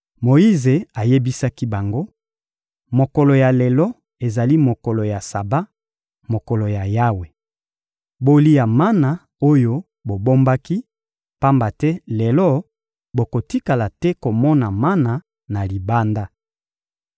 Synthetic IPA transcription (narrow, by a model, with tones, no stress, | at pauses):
mo˨i˦ze˨a˨je˦bi˦sa˦ki˦ba˨ŋɡo˦ | mo˨kɔ˨lɔ˨ja˨lɛ˨lɔ˦ | e˨za˨li˦mo˨kɔ˨lo˨ja˨sa˨ba˦ | mo˨kɔ˨lo˨ja˨ja˦we˨ | bo˦li˦ja˨ma˦na˨ | o˦jo˦ | bo˨bo˦mba˦ki˦ | pa˦mba˨tɛ˦lɛ˨lɔ˦ | bo˨ko˨ti˦ka˨la˨tɛ˦ko˨mɔ˦na˨ma˦na˨ | na˨li˨ba˦nda˦